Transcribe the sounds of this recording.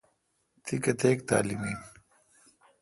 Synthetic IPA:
t̪ʰikɐt̪eːkt̪a̰ːlimiːn

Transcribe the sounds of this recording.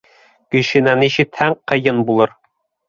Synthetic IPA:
kɘ̆ʃɘ̆næniɕɘt̪hæɴqɤ̆jɤnbulˠɤɾ

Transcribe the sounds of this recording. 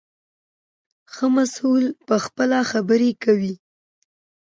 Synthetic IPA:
xəmasulpəxpəlaxabəɾekawi

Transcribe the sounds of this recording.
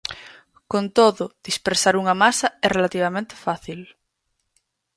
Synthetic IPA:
kõnt̪oðʊð̥ispeɾsaɾuŋamasaɛrelat̪iβ̞amẽnt̪e̥faθil

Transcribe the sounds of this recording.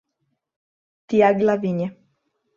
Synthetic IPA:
t̪iaɡlaviɲɛ

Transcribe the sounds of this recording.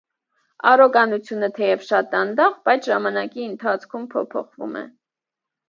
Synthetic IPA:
ɑ̰ɾɔɡɑnut͡sʰjunət̪ʰɛjɛvʃɑt̪ɑnd̪ɑʁbɑjt͡sʰʒɑmɑnɑkiənt̪ʰɑt͡sʰkʰumpʰɔ̰pʰɔ̰χvṵmɛ̰

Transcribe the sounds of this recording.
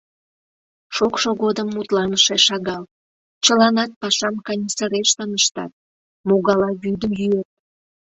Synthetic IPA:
ʃokʃoɣod̪əmːut̪lɑnəʃeʃɑɣɑl | t͡ɕəlɑnɑt̪̚pɑʃɑmkɑnʲisəɾeʃt̪ənəʃt̪ɑ̰t̪̚ | moɣɑlɑβyd̪əmjyet̪̚

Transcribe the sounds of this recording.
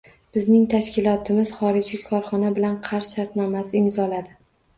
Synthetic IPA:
b̥ɪznɪŋt̪ʰaʃkʲɪlˠɒt̪ʰɪmɪz̥χɒɾɪd͡ʒikʰɒɾχɒnabɪlanqʰɑɾʃʃaɾt̪nɒmasɪɪmzɒlad̪ɪ

